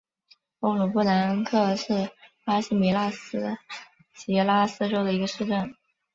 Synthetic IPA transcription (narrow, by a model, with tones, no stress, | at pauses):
o˥˩ŋlu˨˩pu˥˩la˧˥nkʰɤ˥˧ʂɻ̩˥˩pa˥ɕi˥˩mi˧˥la˥s̩˥ | t͡ɕi˧˥la˥sɹ̩˥˧ʈ͡ʂo˥ʊd̪ə˨i˧˥ɡə˧ʂɻ̩˥˧ʈ͡ʂə˥˩n